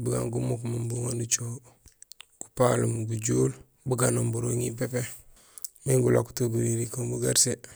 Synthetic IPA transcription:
buɡa̰ŋɡumukmambuŋandut͡ʃo | ɡ̥upalumɡuɟuːl | buɡanombuɾoŋip̬epe | miŋɡulaku̥toɡuɾiɾikoŋbuɡaɾse

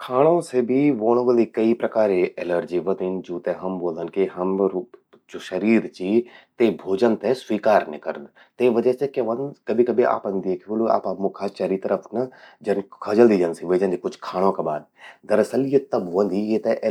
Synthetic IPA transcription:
kʰaːɽ̃õːseːbʱiːʋoːɽ̃ʋəlikəipɾəkaːɾeʔɛləɾd͡ʒiːʋəd̪ind͡ʒuːt̪eɦɐmboːld̪ənkeɦɐmɾ | d͡ʒoʃəɾiːɾt͡ʃit̪eːbʱoːd͡ʒənt̪eswiːkaːɾneːkəɾd̪ | t̪eʋəd͡ʒəsekeʋənkəbʱikəbʱiʔa̰ːpənd̪eːkʰːoːloa̰ːpaːpmʊkʰaːt͡ʃaːɾit̪əɾəpʰnəd͡ʒənkʰəd͡ʒəld̪iːd͡ʒənsiʋəːd͡ʒə̃nd̪ikʊt͡ʃʰkʰaːɽ̃õːkebaːd̪̚d̪əɾəsəljət̪əboə̃nd̪ijet̪eʔ

